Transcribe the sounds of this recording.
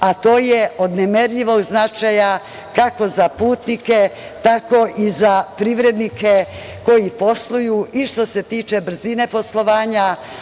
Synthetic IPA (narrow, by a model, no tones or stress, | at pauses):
at̪o̞ːjeo̞d̪nemeɾʎiʋo̞ɡznat͡ʃaja | kako̞zapuːt̪nike̞ | t̪ako̞ʔizapɾiʋɾe̞d̪nike | ko̞jipo̞slˠujuiʃt̪o̞se̞t̪iːt͡ʃe̞br̩zine̞po̞slˠo̞ʋaːɲa